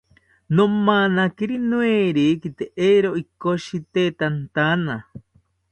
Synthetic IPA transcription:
nomanakiɾinweɾikit̪eʔeɾoʔikoʃit̪et̪ant̪ana

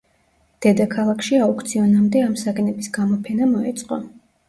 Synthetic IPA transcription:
d̪̥ɛd̪akʰalˠakʰʃiaukt̪sʰiɔnamd̪ɛamsaɡɛnɛbisɡamɔpʰɛnamɔɛt̪sʼqʼɔ

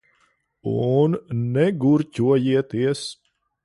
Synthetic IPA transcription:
ṵnːɛɡuɾcʲuɔjiɛt̪iɛs

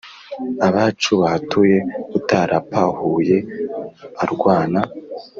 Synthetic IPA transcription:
aβat͡ʃuβahatʰuje̞utaɾʔapʰahuje̞ | aɾɡwaːna

